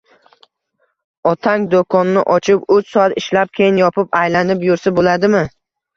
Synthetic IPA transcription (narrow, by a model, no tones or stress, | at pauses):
ɒt̪ʰaŋd̪okʰɒnːɪʔɒt͡ʃʰɪpʊt͡ʃsɒat̪ɪʃlap̚kʲʰejɪnjɒpʰɪpajlanɪpjʊɾsabolad̪ɪmɪ